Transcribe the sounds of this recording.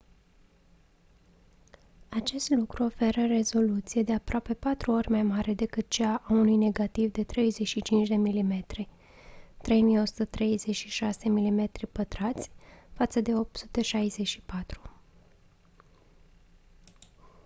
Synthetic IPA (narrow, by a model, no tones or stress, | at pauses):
at͡ʃe̞st̪lukɾuo̞fe̞ɾəre̞zo̞lut̪sije̞d̪e̞apɾoape̞pat̪ɾuo̞rʲmajmaɾe̞d̪e̞kɨt̪̚t͡ʃaʔːunujne̞ɡat̪ivd̪e̞t̪ɾe̞jze̞ʃit͡ʃint͡ʃʲd̪e̞milime̞t̪ɾi | t̪ɾe̞jmijo̞su̥t̪ət̪ɾe̞jze̞ʃiʃase̞milime̞t̪ɾipət̪ɾat̪sʲfat̪səd̪e̞o̞p̚t̪sut̪eʃajze̞ʃi̥pat̪ɾu